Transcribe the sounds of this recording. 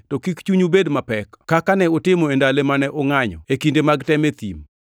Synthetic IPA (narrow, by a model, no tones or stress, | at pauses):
tɔkikt͡ʃuɲubedmapɛkkakanɛotɪmɔendalemanɛʔɔŋaɲɔ̰ekindemaɡtɛmet̪ḭm